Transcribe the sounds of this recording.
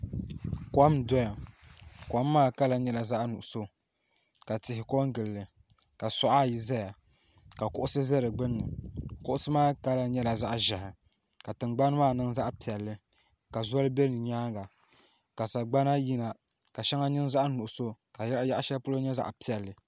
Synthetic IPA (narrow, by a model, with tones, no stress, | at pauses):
kwa˦mdɔ˦ja˨ | kwa˦mː˦aː˦˨ka˦la˨ɲɛ˦la˨za˦ʔnu˨ʔʊ˨so˦ | ka˨tɪ˨ɦɪ˨ko˦ŋ˦ɡɨ˨lːɨ˨ | ka˨sɔ˦ʔa˦˨ji˨za˦ja˨ | ka˨kʊ˦ʔʊ˦sɨ˦zɛ˦ɾɨ˨ɡ͡bɨ˦nːɨ˨kʊ˦ʔʊ˦sɨ˦maː˦˨ka˦la˨ɲɛ˦la˨za˦ʔʒa˨hɪ˨ | ka˨tɨ˨ŋɡ͡ba˦n˦maː˦˨nɨ˦ŋza˦ʔpi˨ɛ˨lːɨ˦ | ka˨zɔ˦lɨ˦bɛ˦nɨ˨ɲaː˦ɡa˨ | ka˨sa˨ɡ͡ba˦na˦ji˦na˨ | ka˨ʃɛ˦ŋa˦ɲɨ˦nza˦ʔnu˨ʔʊ˨so˦ka˨ja˦ʔja˦ʔʃɛ˦pʊ˦lo˦ɲɛ˦za̰˨ʔpi˦ɛ˨lːɨ˨